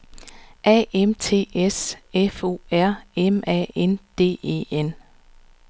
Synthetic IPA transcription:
ʔɛ̰ːemt͡sʰe̝̰ːesefo̝̰ːæɐ̰emɛ̰end̥e̝̰ːe̝̰ːen

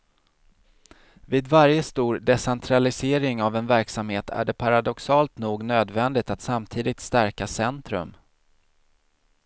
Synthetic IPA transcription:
viːd̪vaɾjəst̪uːɾɖɛsɛnt̪ʰɾalɪseːɾɪŋavɛnvæɾksamheːt̪ʰæ̰ɖɛpʰaɾad̪ɔksɑːlt̪nuːɡnøːd̪vɛnd̪ɪt̪at̪samt̪ʰiːd̪ɪt̪st̪æɾkasɛnt̪ɾɵ̰m

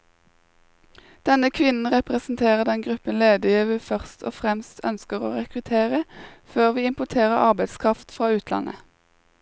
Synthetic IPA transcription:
d̪̥ɛnəkʰʋɪnn̩ʁɛpʁɛsn̩t̪ʰeːʁəd̪ɛnɡʁʉpənleːd̪ɪjiːʋəfœʁst̪ʰo̰ːfʁɛmst̪ʰœ̰nskəʁo̰ːʁɛkʁʉt̪ʰeːʁəføːʁʋiːɪmpʊt̪ʰeːʁəɑʁbæɪd̪skʰʁɑft̪fʁɑːʉːt̪ʰlɑ̰nʔə̰

